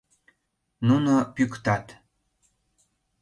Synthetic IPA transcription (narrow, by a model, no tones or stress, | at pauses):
nunopykt̪ɑt̪